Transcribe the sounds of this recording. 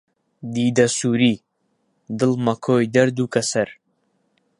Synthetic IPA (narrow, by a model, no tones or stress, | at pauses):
d̪iːd̪ɐsuːɾiː | d̪ɨlˠmɐkʰoːjd̪ɐɾd̪uːkɐsɐɾ